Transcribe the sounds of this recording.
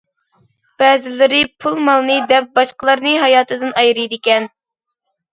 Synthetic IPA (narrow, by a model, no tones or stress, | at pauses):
b̥ɛːzɪlɪɾɪpʰulˠmɑlˠnɨd̪ɛp̚bɑʃqəlˠɑɾnɨɦɑjɑːt̪ʰɨd̪ɨnɑjɾɨjd̪ɪkʲɛn